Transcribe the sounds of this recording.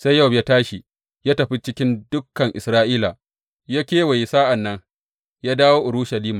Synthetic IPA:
sa˦jːɐ˦˨wbja˦taː˦ʃi˨ | jaː˦tɐ˨ɸi˦t͡ʃɪ˦kʲɪ˦ndʊ˦kːɐ˨ŋʔɪ˨sɾaː˦ʔiː˦la˨ | ja˦kʲeː˦wa˨ji˨saː˦ʔa˨nːɐ˦ŋ | jaː˦daː˦woː˦ʔʊ˨ɾu˦ʃɐ˨liː˦maː˨

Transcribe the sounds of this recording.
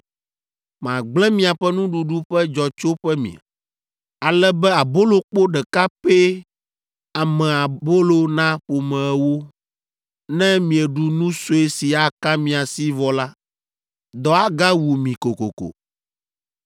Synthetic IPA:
mã˨ɡ͡blɛ̃˦mĩ˨a˨ɸɛ˦nũ˦ɖu˨ɖu˦ɸɛ˦d͡ʒɔ˨t͡ʃo˦ɸɛ˦mḭ̃˨a̰˨ | a˨lɛ˦bɛ˦a˨bo˦lo˨k͡po˦ɖɛ˨ka˦pɛ˦ | a˨mɛ̃˨a˨bo˦lo˨nã˦ɸo˨mɛ̃˨ɛ˦wo˦ | nɛ̃˦mĩ˨ɛ˨ɖu˨nũ˦so˦e˦si˨a˨kã˦mĩ˨a˨si˦vɔ˨la˦ | d̪ɔ˨a˨ɡa˦wu˨mĩ˨ko˨ko̰˨ko̰˨

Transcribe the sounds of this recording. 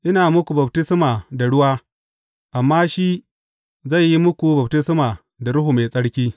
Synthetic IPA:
ʔɪ˦naː˨mʊ˦kʷu˨bɐ˨btɪ˦smaː˨da˨ɽʊ˦waː˦ | ʔa˨mːaː˦ʃi˦ | za˦˨jːi˦mʊ˦kʷu˨bɐ˨btɪ˦smaː˨ | da˨ɽʊ˦ɦu˨me˨sʼɐ˦ɽkʲiː˦

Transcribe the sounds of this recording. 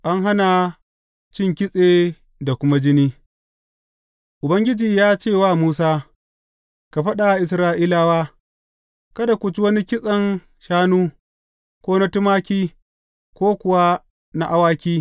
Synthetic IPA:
ʔa˦ŋɦa˦na˨ | t͡ʃɪ˦ŋkʲɪ˦sʼeː˨ | da˨kʷʊ˦ma˦d͡ʒɪ˦niː˦ | ʔʊ˨bɐ˦ŋɡʲɪ˦d͡ʒiː˨jaː˦t͡ʃeː˦˨waː˦˨muː˦saː˦ | ka˨ɸɐ˦ɗa˨ʔɪ˨sɾaː˦ʔiː˦laː˦waː˦ | ka˦da˨kʷʊ˨t͡ʃi˦wɐ˦ni˦kʲɪ˦sʼɐ˨n | ʃaː˦nuː˦ | kʷoː˦na˦tʊ˦maː˦kʲiː˦ | kʷoː˦kʷʊ˨wa˦ | na˦ʔa˦waː˦kʲiː˦

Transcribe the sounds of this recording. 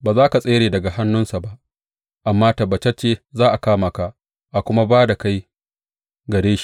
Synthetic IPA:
baː˨zaː˦ka˨sʼeː˦ɽeː˨dɐ˨ɡa˨ha˦nːʊ˦nsa˨ba˦ʔ | ʔa˨mːaː˦tɐ˨bɐ˨t͡ʃɐ˦t͡ʃːe˦zaː˦ʔa˨kaː˦ma˨ka˨ʔ | ʔa˨kʷʊ˦ma˦baː˦da˨ka˦j | ɡɐ˨ɽeː˦ʃi̥˦

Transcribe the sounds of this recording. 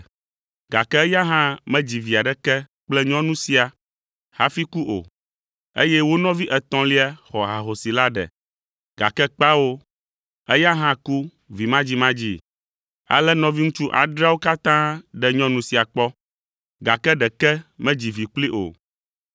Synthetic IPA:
ɡ̥a̰˨kɛ˦ɛ˦ja˦ɦã˦mɛ̃˦d͡ʑi˨vi˨a˨ɖɛ˦kɛ˦ | k͡plɛ˦ɲɔ̃˦nũ˦si˨a˨ | ha˨fi˦ku˦ʔo̰˨ | ḛ˦jɛ˦wo˦nɔ̃˦vi˦ʔɛ˨t̪ɔ̃˨li˦a˦xɔ˨ɦa˨ɦo˨si˨la˦ɖɛ̰˨ | ɡa̰˨kɛ˦k͡pa˦wo˦ | ɛ˦ja˦ɦã˦ku˦ | vi˨mã˦d͡ʑi˦mã˦d͡ʑi˦ | a̰˨lɛ˦nɔ̃˦vi˦ŋũ˦t͡ʃu˦ʔa̰˨ɖɾa˦wo˦ka˦t̪ã˦ɖɛ˦ɲɔ̃˦nũ˨si˨a˨k͡pɔ˦ | ɡa̰˨kɛ˦ɖɛ˨kɛ˦mɛ̃˦d͡ʑi˨vi˨k͡pli˦ʔo̰˨

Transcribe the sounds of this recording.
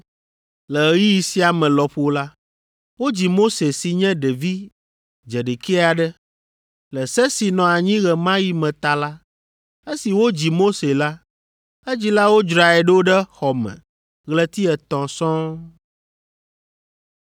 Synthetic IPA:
lɛ˨˦ji˦i˨si˦a˨mɛ̃˨lɔ˨ɸo˨la˦ | wo˦d͡ʑi˨mo˦se˨si˨ɲɛ̃˦ɖe˨vi˦ | d͡ʒɛ˨ɖe˨ke˦a˨ɖɛ˦ | lɛ˨sɛ˦si˨nɔ̃˨a˨ɲĩ˦ɣɛ˨mã˦ji˦mɛ̃˨t̪a˨la˦ | e˦si˨wo˦d͡ʑi˨mo˦se˨la˦ | e˦d͡ʑi˦la˦wo˦d͡ʒɾa˨ɛ˨ɖə˦o˦ɖɛ˦xɔ˨mɛ̰̃˨ | ɣlɛ˦t̪i˦ɛ˨t̪ɔ̃˨sɔ̃˦

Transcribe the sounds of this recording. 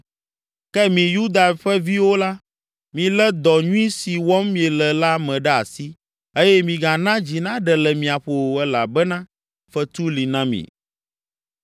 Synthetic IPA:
kɛ˦mĩ˨ju˦d̪a˨ɸɛ˦vi˦wo˦la˦ | mĩ˨lɛ˦d̪ɔ˨ɲũ˦i˦si˨wɔ˦mmĩ˨ɛ˨lɛ˨la˦mɛ̃˨ɖɛ˦a̰˨si˦ | e˦jɛ˦mĩ˨ɡa˨nã˦d͡ʑi˨nã˦ɖɛ˨lɛ˨mĩ˨a˨ɸo˨ɛ˦la̰˨bɛ˦nã˦ | ɸɛ˦t̪u˦li˨nã˦mḭ̃˨

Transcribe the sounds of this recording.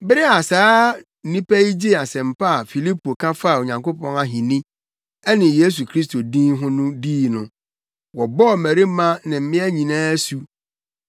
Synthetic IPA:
bɪ˦ɾɪ˦a˨saː˦˨ | nĩ˦pæ˦i˦d͡ʑi˦˨a˨sɛ̃˨m̩˨pa˦a˨fi˨li˦po˨kʰã˦fa˦˨o˨ɲã˨ŋko˦pʰɔ̃˦na˦ɦĩ˨nɪ̃˦ | ɛ˦nɪ̃˨je˦s̬u˨kʰɾi˦s̬to˨dĩ˦ɦʊ̃˦nʊ̃˦diː˦˨nʊ̃˨ | wɔ˨bɔ˦˨mæ˨ɾi˦mã˦nɪ̃˨m̩˦mɪ̃˦æ˦ɲĩ˨nãː˦su˦

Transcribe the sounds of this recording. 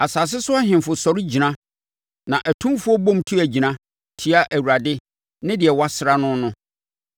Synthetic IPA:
a˨saː˨s̬ɪ˦sʊ˦a˦ɦɪ̃˨mfʊ˨sɔ˨ɾɪ˦d͡ʑi˨nã˦ | nã˨ʔæ˨tʰũ˦mfu˦ɔ˦bɔ̃˦˨mtʰu˦æ˨d͡ʑi˨nã˦ | tʰi˨˦a˦ʔæ˨wu˨ɾa˨dɪ˦ | nɪ̃˦dɪ˨ɛ˨wa˦sɪ˨ɾa˦nʊ̃˦nʊ̃˦

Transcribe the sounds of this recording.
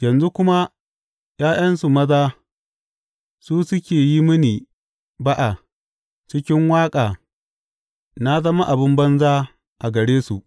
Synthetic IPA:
jɐ˨nzu˦kʷʊ˦ma˦ | j̰aː˦j̰ɐ˦nsu˨mɐ˦zaː˦ | suː˦sʊ˦kʲeː˨ji˦mɪ˦niː˨ | ba˦ʔa˨ | t͡ʃɪ˦kʲɪ˦ŋwaː˦kʼaː˨ | na˦zɐ˦ma˦ʔa˨bɪ˦mbɐ˦nzaː˦ | ʔa˨ɡɐ˨ɽeː˦sṵ˨ʔ

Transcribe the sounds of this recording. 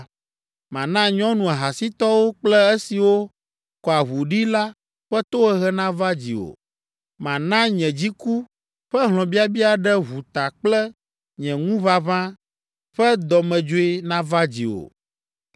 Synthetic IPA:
mã˨nã˦ɲɔ̃˦nũ˨a˨ɦa˨si˦t̪ɔ˦wo˦k͡plɛ˦ɛ˦si˨wo˦ | kɔ˨a˨βu˨ɖi˦la˦ | ɸɛ˦t̪o˦ɣɛ˦ɦɛ˦nã˦va˦d͡ʑḭ˨o̰˨ | mã˨nã˦ɲɛ̃˨d͡ʑi˦ku˦ | ɸɛ˦ɦlɔ̃˨bi˦a˦bi˦a˨ɖɛ˦ɦu˨t̪a˨k͡plɛ˦ | ɲɛ̃˨ŋũ˦βa˦βã˦ | ɸɛ˦d̪ɔ˨mɛ̃˨d͡ʒo˦e˦nã˦va˦d͡ʑḭ˨o̰˨

